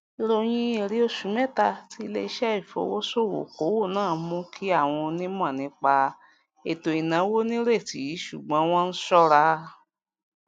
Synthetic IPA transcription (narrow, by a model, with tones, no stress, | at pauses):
i˧ɾo˧j̃ĩ˧e˧˨ɾi˨˦o˦˧ʃu˨˦mɛ̃˦ta˧ti˧˦˧le˧i˧˦ʃɛ˦i˦˨fo̰˧˦wo˦so˦˨wo̰˨ko˨˦wo˦˨nãː˦˨˦mũ˧˦kʰi˦a˦˨w̃ɔ̃˧nĩ˦mũ˦a˦˨nĩ˧k͡pa˧ | e˨to˨i˨nã˨˦wo˦nĩ˦ɾe˦˨ti˨ji˨˦ʃu˨ɡ͡bɔ̃˨˦w̃ɔ̃˦n̩˦sɔ˦ɾa˧˦